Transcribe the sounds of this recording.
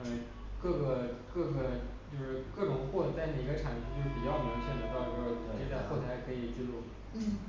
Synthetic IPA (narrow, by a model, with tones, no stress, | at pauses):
ə˧ | kɤ˥˩ɡə˩kɤ˥˩ɡə˩t͡ɕjo˥˧ʊʂɻ̩˥˧kɤ˥˩ʈ͡ʂʊ˨˩ŋxwɔ˥˧t͡sa˥˧ɪnə˨˩i˧˥ɡə˧ʈ͡ʂʰa˨˩˦npʰt͡ɕo˥˧ʊʂɻ̩˥˩pi˨˩t͡ɕjɑ˥˩ʊna˧˥ʈ͡ʂʰa˥˩u˧˥˩o˥˩ɻʈ͡ʂe˥˧˥a˥˧xwo˥˩t̪ʰa˧˥ɪkʰɤ˧˥i˨˩t͡ɕy˥˧lu˥˩˥